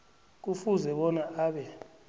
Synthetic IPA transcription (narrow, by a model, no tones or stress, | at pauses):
k̬ufuzɛɓɔnaʔaːɓɛ